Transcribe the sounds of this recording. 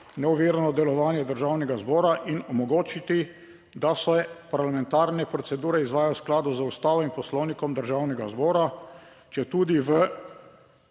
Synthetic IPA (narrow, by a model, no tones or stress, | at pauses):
nɛuʋeːɾnɔd̪ɛlɔʋaːnjɛd̪əɾʒawnɛɡazbɔːɾaʔinɔmɔɡoːt͡ʃit̪i | d̪asɛpaɾlamɛ̃nt̪aːɾnɛpɾɔt̪sɛd̪uːɾɛizʋaːjawsklaːd̪uzəust̪aːʋɔimpɔslɔwnikɔmd̪əɾʒawnɛɡazbɔːɾa | t͡ʃɛt̪uːd̪iʋə